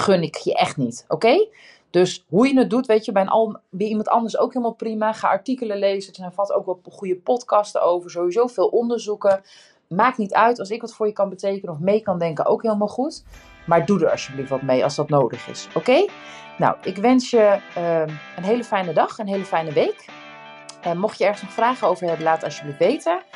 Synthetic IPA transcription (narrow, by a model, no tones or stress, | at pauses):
χɵnɪkjəʔɛχtnito̰wkej | d̥øsɦujənət̚dutʋejtəbɛjənʔɑ̰lˠbɛjimɑntɑ̰ndəɹso̰wkɦɪːlˠmalˠprimaχaːʔɑɹtikələlejzədəzɛjnvɑlˠto̰wkʋɑlχujəpɔtkɑstəowvəɹzowʋizowv̥ɪːlˠʔɔndəɹzukə | maːk̚nitœɥtɑlˠsɪkʋɑtfʊːɹjəkɑnbətejkənəɔfmejkɑndɛŋkənʔo̰wkɦeːləmaːlˠχut | maːɹdudəɹɑ̰sjəbliftʋɑtmejɑ̰lˠzdɑtnowdəχɪ̰sowkejna̰wʔɪkʋɛnsjəəənɦejləfɛjnədɑχənɦejləfɛjnəʋejk | əmɔχjəɛɹχənsnɔχfraːχəowvəɹɦɛbəlaːtəɑsjəbliftʋejtə